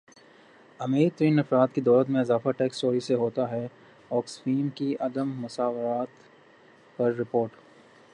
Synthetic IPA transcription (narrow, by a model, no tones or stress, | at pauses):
ɐmeːit̪ɾĩːnɐfɾaːt̪kid̪ɔːlət̪mẽɪzaːfaʈeːksʈoːɾiseɦoːt̪aɦɛ | ɔːksfiːmkiʔɐd̪əmːʊsaːʋɾaːt̪ | pɐɾːɪpoːɾʈ